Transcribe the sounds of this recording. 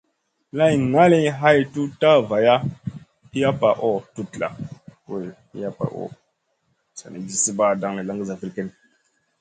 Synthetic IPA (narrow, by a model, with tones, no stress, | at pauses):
la˦jŋa˦li˦ɦa˦jtu˦ta˦va˨ja˦ | i˦ja˦pa˨ʔo˦tu˦tla̰˨we˦˨ | ḭ˦ja˦pa̰˨ʔo̰˦˨ | sa̰˨ni˨ɡi˦si˦ba˦˨da˦ŋle˨la˦ŋɡi˦za˨fi˦lke˦n